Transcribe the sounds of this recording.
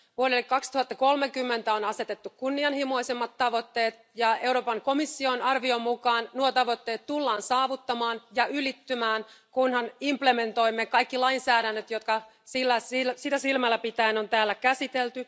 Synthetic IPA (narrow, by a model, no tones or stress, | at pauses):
ʋuoɾelːikkɑkst̪uhɑt̪ːɑko̞lmekymːent̪æonɑse̞t̪et̪ːukkunːiɑnhimo̞isemːɑt̪ːɑʋo̞t̪ːeːt̪̚ | jɑe̞uɾoːpɑŋko̞misːionɑrʋiomukɑːnnuot̪ɑʋo̞t̪ːe̞ːt̪t̪ulːɑːnsɑːʋut̪ːɑmɑːnjɑylit̪ːymæːnkunhɑnimpleme̞nt̪o̞jmːekɑjkːilɑinsæːɾænːøt̪jo̞t̪kɑ | silːæsilsit̪ːæsilmælːæpit̪æinont̪æːlːækæsit̪elt̪y